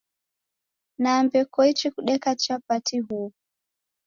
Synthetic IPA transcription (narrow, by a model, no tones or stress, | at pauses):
nambɛkɔit͡ʃikuɗɛkat͡ʃapatʰiɦu